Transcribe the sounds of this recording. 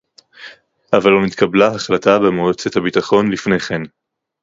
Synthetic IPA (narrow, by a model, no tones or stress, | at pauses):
ʔavalomit̪kʰablahaχlatabemeot͡sethabitaχo̞nlifnejχen